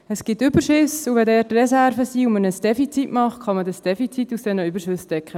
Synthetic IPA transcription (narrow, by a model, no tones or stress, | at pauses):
əsɡ̥ɪtːʏbəɾʃʏsuʋɛdɛːɾtrɛsæɾvəsiːumənəsd̥ɛfit͡sitmɑχtχɑmədəsd̥ɛfit͡situsd̥ɛnəybəɾʃʏsd̥ɛkχə